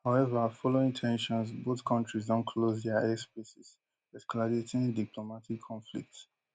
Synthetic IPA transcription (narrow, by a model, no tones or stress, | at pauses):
haʊɛvəfɔloĩŋtʰɛ̃nʃɔ̃nsboθkʰʌ̃ntɹizdɔ̃nkʰlozdɛaɛspesis | ɛskɔladetɪ̃ŋdipʰlomatikʰːɔ̃nflḭk̚ts